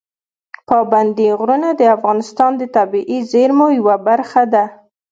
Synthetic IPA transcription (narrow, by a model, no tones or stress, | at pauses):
pɑband̪iɣɾunad̪əafɣɑnɪst̪ɑnd̪ət̪abiʔizeɾmojwabaɾxad̪a